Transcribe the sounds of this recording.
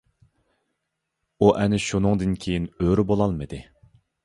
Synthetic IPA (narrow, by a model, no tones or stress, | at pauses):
uʔɛnɪʃunɨŋd̪ɨnkʲʰejinøɾɪbolˠɑlˠmɨd̪ɪ